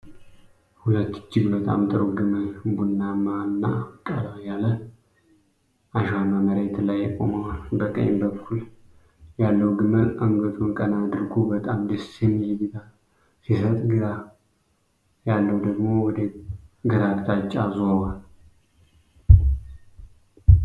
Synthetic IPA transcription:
hulət̪ːɨ̥d͡ʒːɪɡbət̪ʼa̰mt̪ʼɨɾoɡɨməbunːamanːa̰kʼalajalə | aʃamaməɾet̪lajːɛkʼo̰məwnbəkʼə̰ɲmbəkʰːul | jalːəwɡɨmənʔəŋɡət̪ʰʼunkʼənad̪ɨɾkʰubət̪ʼamd̪ɨsemilbit̪ʰal | sisət̪ʼɡɨɾa | jalːəwd̪əɡmo̞wɔd̪eɡɨɾakʼt̪ʰat͡ʃʼːazowal

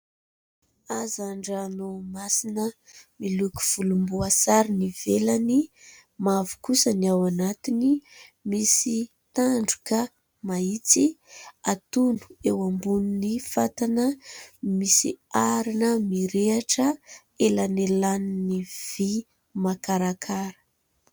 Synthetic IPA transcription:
azaɳɖ͡ʐanomasinəmiluku̥v̥ulumbuasaɾinivelani | mavu̥kusəniawanat̪inimisi | t̪aɳɖ͡ʐu̥kə | mait͡siat̪unu̥ewambuninifat̪anəmisḭaɾinəmiɾeaʈ͡ʂə | elanelaniniv̥i | makaɾakʰaɾə̥

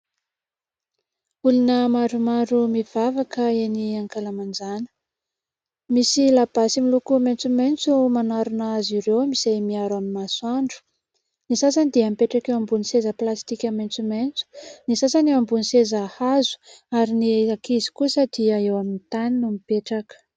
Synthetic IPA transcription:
ulunəmaɖ͡ʐumaɖ͡ʐumiv̥avakəeniaŋkalamand͡zanə̥ | misilab̥asimilukument͡sument͡sumanaɾunaziɾewmisajmiaɾamimasuaɳɖ͡ʐu̥ | nisas̬anid̪eamipeʈ͡ʂakewambunisezəplast̪ikʲament͡sument͡su̥nisasaniambunisezahazu̥aɾiniakizi̥kuəsad̪iaewaminit̪aninumipeʈ͡ʂakə̥

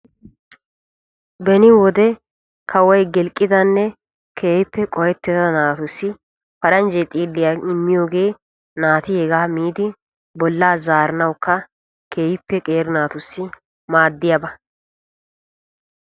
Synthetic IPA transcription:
bɛnɪwɔd̪ɛ | kʰɐwɐjɡɛlkʼːɪd̪ɐnːɛ | kʰeːhɪpːɛkʼɔjɛt̪ːɛd̪ɐnaːt̪ʊsːɪ | fɐɾɐnd͡ʒɛjt̪ʼiːlːɪjaɪmːɪjo̞ːɡe̞ː | naːt̪ɪhɛɡaːmiːd̪ɪ | bɔlːaːzaːɾɐnɐwkːɐ | kʰeːhɪpːɛkʼeːɾnaːt̪ʊsːɪ | maːd̪ːɪjabɐ

